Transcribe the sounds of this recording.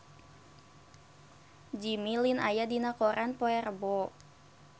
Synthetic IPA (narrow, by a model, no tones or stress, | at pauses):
d͡ʒimilinajadinakɔɾʔanpɔɛrbɔ